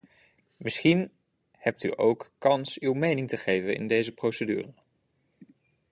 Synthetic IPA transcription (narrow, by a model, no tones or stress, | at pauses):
mɪsχin | hɛp̚ty̰ʔowkːɑnsywmejnɪŋtəχejvənɪ̰ndejzəprowsədy̰ːrə